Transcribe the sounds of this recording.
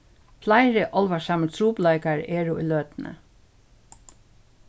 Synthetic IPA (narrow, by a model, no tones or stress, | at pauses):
flaɪɹɪʔɔlʋasamət̪ʰɾuːplaɪkaɹeːɹʊʔḭːløːt̪nə̰